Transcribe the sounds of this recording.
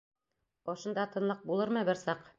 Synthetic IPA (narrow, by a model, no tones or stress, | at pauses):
ɒʃɤ̆nd̪ɑt̪ɤ̆nlˠɤq̚bulˠɤɾmɤbɘɾsɑq